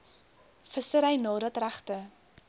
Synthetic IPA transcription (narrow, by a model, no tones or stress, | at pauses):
fəsəɾəjnɑːɾɐtræχtə